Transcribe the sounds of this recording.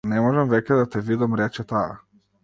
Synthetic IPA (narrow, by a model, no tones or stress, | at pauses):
nɛmɔʒɛmvɛcɛd̪at̪ɛvid̪amɾɛt͡ʃɛt̪a̰ː